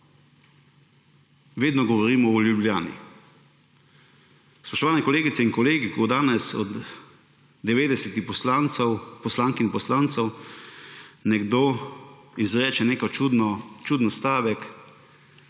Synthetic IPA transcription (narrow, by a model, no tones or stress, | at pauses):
ʋeːd̪nɔɡɔʋɔɾiːmɔɔlʲjublʲjaːnḭ | spɔʃt̪ɔʋaːnɛkɔleːɡit̪sɛinkɔleːɡikod̪aːnɛsɔd̪ː | ɛʋeːd̪ɛsɛt̪iɔanwpɔslaːŋkiinpɔslaːnt̪sɔw | nɛɡd̪oː | izɾɛːt͡ʃɛneːkɔt͡ʃut͡ʃuːd̪nɔst̪aːʋɛk